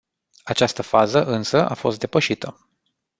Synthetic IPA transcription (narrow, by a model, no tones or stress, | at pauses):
at͡ʃast̪əfazəʔɨnsəʔafo̞st̪d̪epəʃit̪ʰə